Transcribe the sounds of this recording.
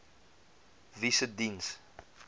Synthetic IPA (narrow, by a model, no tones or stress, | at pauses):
visədins